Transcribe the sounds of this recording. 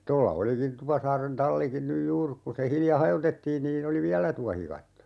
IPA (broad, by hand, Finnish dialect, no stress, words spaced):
tolːɑ olikin tupɑsɑːren tɑlːikin nyj juːr ku se hiljɑ hɑjotetːiːn niːn oli ʋiælæ tuɑhikɑtːo